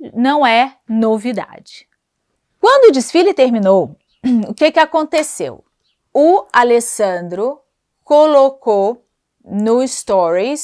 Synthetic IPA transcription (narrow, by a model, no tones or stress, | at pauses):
nɐ̃w̃ɛ | novid̪a̰d͡ʒɪ̥ | kwɐ̃nd̪ʊd͡ʒisfilit̪eɾmĩnow | ʊkekɪakõnt̪esḛw | ʊalesɐ̃d̪ɾʊ | kolokow | nʊist̪ɔɾis